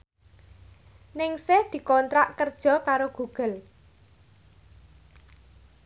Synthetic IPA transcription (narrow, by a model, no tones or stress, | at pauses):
nɪŋsɪhd̪̥i̤kɔnt̪ɾaʔkərd̥ʒ̥ɔ̤kaɾoɡ̥uɡ̥ə̤l